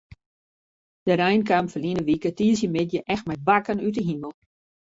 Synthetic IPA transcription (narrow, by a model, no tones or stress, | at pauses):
d̥əɾɛjnkamfəlinəʋikətiːəs̬jəmɪtjəʔɛxtmɛjtbakənyt̬əɦiməlˠ